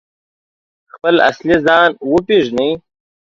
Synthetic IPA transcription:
xpəla̰slizɑːnwəpiʒnij

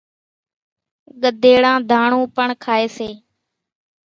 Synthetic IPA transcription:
ɠəd̪ʱeːɽãːd̪ʱaːɳũːpəɳkʰaːeːseː

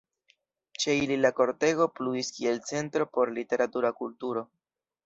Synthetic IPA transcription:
t͡ʃe̞ililako̞ɾte̞ɡo̞pluiskie̞lt͡se̞ntɾo̞po̞ɾlite̞ɾatuɾakultuɾo̞

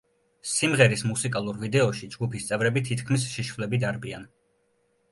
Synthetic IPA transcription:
simʁɛɾismusikʼalˠuɾvid̪ɛɔʃid͡ʒɡupʰist̪sʼɛvɾɛbit̪ʰit̪kʰmis̬ʃiʃvlɛbid̪aɾbian

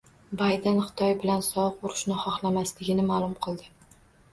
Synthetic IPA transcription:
bajd̪enχɨ̥t̪ʰɒjbɪlansɒwɨqʊɾʊʃnɪχɒχlamaslɪɡʲɪnɪmaːlˠʊmqʰɨlˠd̪ɪ

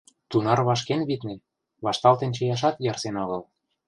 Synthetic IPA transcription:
t̪unɑrβɑʃkenβit̪ne | βɑʃt̪ɑlt̪ĕnt͡ɕɤ̆jɑʃ̬ɑt̪jɑrsenɑɣɤ̆l

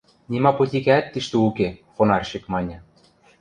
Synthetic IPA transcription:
nʲimɑpot̪ʲikæt̪ːiʃt̪ɘ̆ukexonɑrɕĭkmɑnʲɤ̆

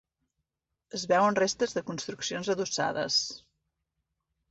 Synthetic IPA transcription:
əzβɛwənrest̪əzðəkunst̪ɾuksionzəðusa̰ðə̰s

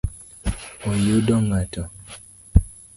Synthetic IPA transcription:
ojodɔŋɡatɔ

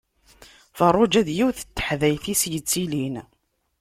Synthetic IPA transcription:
fərˤːʊd͡ʒæðjiwθə̥t̪ːə̥ħðæjθisjət͡sːilin

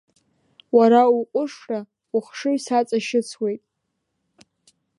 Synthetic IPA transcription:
waɾauqʷʼʊʂra | uχʂɨisat͡sʼaʃɪt͡sʰwe̞jtʼ

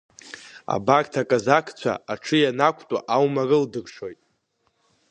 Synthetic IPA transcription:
a̰bartʰakʼazakʰt͡ɕʷʰa̰aʈ͡ʂʰɨjanakʷʰʼtʼaʔawmarɨldɨrʂo̞jtʼ

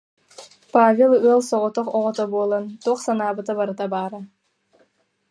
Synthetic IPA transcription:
paːvʲelˠuɛlˠsɔʁɔt̪ɔqɔʁɔt̪ɔbuɔlˠant̪ɔqsanaːbɯt̪abaɾɯt̪abaːɾɯ

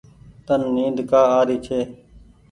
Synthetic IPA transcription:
t̪ənːiːd̪kaːaːɾiːt͡ʃʰeː

